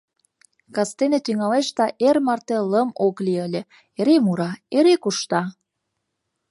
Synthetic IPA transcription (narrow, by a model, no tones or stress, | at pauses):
kɑst̪enet̪yŋɑleʃt̪ɑʔermɑrt̪eləmokliəlʲĕ | eɾemuɾɑeɾekuʃt̪ɑ